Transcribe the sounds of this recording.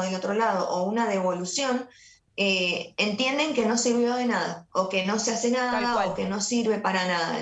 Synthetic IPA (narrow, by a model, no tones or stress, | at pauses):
ðelo̞t̪ɾo̞lað̞o̞̰ʔounaðe̞β̞o̞lusjo̞n | eent̪je̞nd̪e̞ŋke̞no̞siɾβ̞jo̞ðe̞naða̰oke̞no̞sease̞naðaoke̞no̞siɾβ̞e̞paɾanaða̰